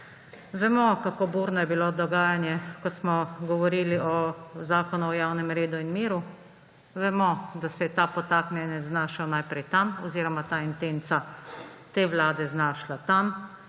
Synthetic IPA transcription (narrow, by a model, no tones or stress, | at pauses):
ʋɛmɔkakobuːɾnɔjɛbilod̪ɔɡaːjanjɛkɔsmɔɡɔʋɔɾiliʔɔzaːkɔnuɔjawnɛmɾeːd̪uinmiːɾu | ʋɛmɔd̪asɛjɛt̪aːpɔt̪aknɛnɛznaːʃawnajpɾɛjt̪amɔziːɾɔmat̪aint̪ent̪sat̪eʋlaːd̪ɛznaːʃlat̪am